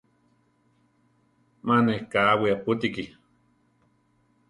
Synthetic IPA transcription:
manehkaːwiaput̪̬iki

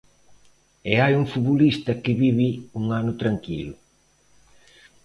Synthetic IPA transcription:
eajuŋfuβulist̪ɐkɪβiβiuŋanʊt̪ɾaŋkḭlʊ

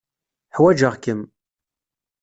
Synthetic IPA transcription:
ħwæd͡ʒəʁkəm

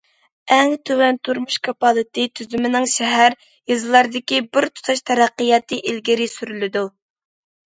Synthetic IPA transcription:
ɛŋt̪ʰøwɛnt̪ʰuɾmuʃkʰɑpɑlˠɨt̪ɨt̪ʰyzymɪnɪŋʃɛɦæɾ | jɨzɨlˠɑɾd̪ɪkʲibɪɾt̪ʰu̥t̪ʰɑʃt̪ʰɛɾæqːijɑt̪ʰɨʔilɡʲiɾɪsyɾylɪd̪u

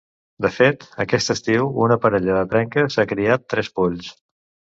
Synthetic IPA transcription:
d̪əfet̪əkɛst̪əst̪iwunəpəɾəʎəðət̪ɾɛŋkəsakɾiat̪ːɾɛspuʎs

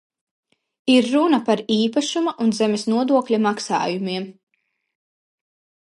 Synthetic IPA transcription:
iɾːunɐpaɾiːpaʃumaʔunzɛmesnuɔd̪uɔklʲimaksa̰ːjumiɛm

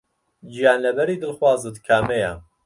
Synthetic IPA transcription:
d͡ʒijaːnlɐbɛɾiːd̪ɨlxwaːzɨt̪kʰaːmejɛ

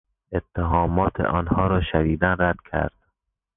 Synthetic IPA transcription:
et̪ʰːeɦɒːmɒːt̪ʰḛʔɒːnhɒːɾɒːʃæɾiːd̪ænræd̪̥cʲʰæ̰ɾd̪̥̚

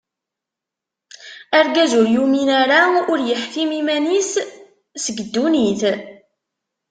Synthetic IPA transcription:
æɾɡæzʊɾjuminaɾaʊɾjəħkimimænis | səɡəd̪ːuniθ

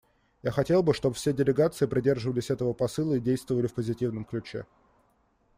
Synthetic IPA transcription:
jaxɐtʲe̞lˠbɨʂt̪o̞bəfsʲedʲɪlʲɪɡat̪sɨɪpɾʲɪdʲe̞rʐɨvəlʲɪsʲɛt̪əvəpɐsɨlˠəidʲejst̪vəvəlʲɪfpəzʲɪtʲivnəmklʲʉt͡ɕḛ

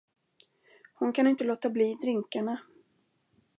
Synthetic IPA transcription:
hʊnkʰanɪnt̪əloːt̪abliːd̪ɾɪŋkaɳa

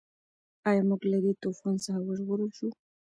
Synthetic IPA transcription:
ɑjamuɡlad̪et̪ufonsaxawaʒɣʊɾəlʃu

